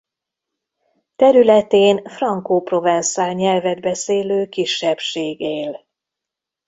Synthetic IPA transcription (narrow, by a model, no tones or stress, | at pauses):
t̪ɛɾylɛt̪eːnfrɒŋkoːpro̞vɛnsaːlɲɛlvɛd̪bɛseːløːkiʃːɛpʃeːɡeːl